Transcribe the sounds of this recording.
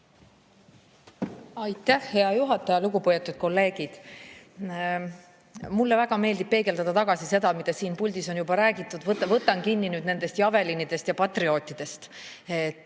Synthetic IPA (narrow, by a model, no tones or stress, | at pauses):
ɑjt̪ːˑæhhe̞ɑjuɦɑt̪ːˑɑjɑluɡupojet̪ːˑut̪̚ko̞lːe̞ːɡid̪̥ | mulːevæɡ̥ɑme̞ːld̪ib̥̚pe̞ːɡe̞ld̪ɑd̪̥ɑt̪ɑɡ̥ɑsise̞d̪ɑmid̪esiːnpulʲd̪̥isonjubɑɾæːɡit̪ːˑud̪vɤt̪ːɑvɤt̪ːˑɑnkinːinyːd̪ne̞nd̪̥e̞st̪jɑve̞linid̪̥e̞st̪jɑpɑt̪rio̞ːt̪ːˑid̪̥e̞st̪et̪ː